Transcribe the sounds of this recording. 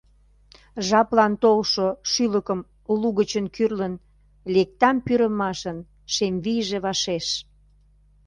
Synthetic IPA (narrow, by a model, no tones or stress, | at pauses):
ʒɑplɑnt̪olʃoʃyləkəm | luɣət͡ɕənkyrlən | lek̚t̪ɑmpyɾəmɑʃən | ʃemβijʒeβɑʃeʃ